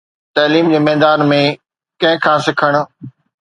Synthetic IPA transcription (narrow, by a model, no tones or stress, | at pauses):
t̪ɐːliːmd͡ʑeːmɛ̃ːn̆d̪aːnmẽ | kɐ̃ɦɪ̃kʰãːsɪkʰəɽ̃ʊ̆